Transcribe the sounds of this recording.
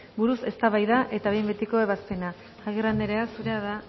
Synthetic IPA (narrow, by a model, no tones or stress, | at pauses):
buɾuse̞st̪aβajðaʔe̞t̪aβe̞jmbet̪iko̞e̞βaspe̞naː | ɣirand̪eɾe̞asuɾeaða